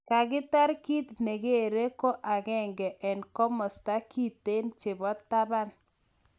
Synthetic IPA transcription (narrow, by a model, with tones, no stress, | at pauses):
ka˨ɡɪ˦ta˦ɾki˦t̪ne˨ɡe˦˨ɾe˦ko˦ʔa˨ɡɛ˦ŋɡɛ˨ʔɛ˨nkɔ˦mɔ˨sta˦ki˦t̪e˦nt͡ʃɪ˨bɔ˦t̪ːa˦ba˦n